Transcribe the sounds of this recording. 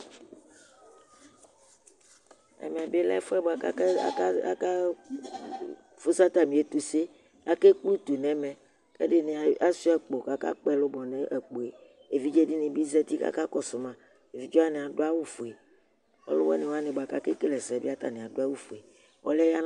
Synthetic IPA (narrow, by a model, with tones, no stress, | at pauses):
ɛ̰˨m˨ɛ̃˨be˦la̰˦fɛ˦bo˨a˨ka̰˦a̰˦a˦ka˦ | fo˦sa˦t̪a˨mĩ˨e˦t̪u˦se˦ | a̰˦ke˦klu˦t̪u˨nɛ̃˦mɛ̃˨ | kḛ˦ɖe˦ne˨a˦si˦ɛ˨k͡po˨ka˦ka̰˦k͡pɛ˨lo˦bɔ˨nẽ˦ʔe˨k͡po˨e˨ | e˨vi˦d͡ʒe˦di˦nẽ˨bi˦zɛ˦t̪i˦ka̰˦ka˦kɔ˦so˨mã˦ | e˨vi˨˦d͡ʒɔ˦a˦nẽ˨a˨ɖo˦a˦wu˦fo˨e˨ | wɔ̰˦lo̰˦wɛ˦nẽ˨wa˦nẽ˨ba˨ka˦ke˦ke˦le˨sɛ˨bi˦a˦t̪a̰˨nẽ˨a˨do˦a˦wu˦fo˨e˨ | wɔ̰˦lɛ˦ja˦n